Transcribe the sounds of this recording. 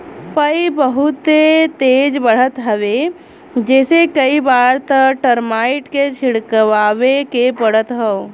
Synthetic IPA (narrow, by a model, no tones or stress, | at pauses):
pəibəɦʊt̪ːet̪eːd͡ʒbəɽ̤ət̪ɦəʋe | d͡ʒɛːsekəibaːɾt̪əkʈəɾmaːɪʈket͡ʃʰɪɽkəʋaːʋekepəɽ̤ət̪ɦəo